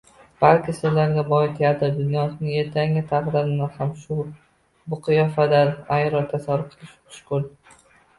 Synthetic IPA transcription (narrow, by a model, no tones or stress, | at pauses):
b̥alkʲɪsɪzlaɾɡʲabɒɪt̪ʰjad̪ɪd̪ʊnjɒsɪnɪŋe̞ɾt̪ʰaŋʲɪt̪ʰaqd̪ɪɾɪnahamʃʊ | bʊqʰɨjɒfad̪anajɾɒt̪ʰːasaɾʊpqʰɨlˠɪʃʊ̥ʃkʊl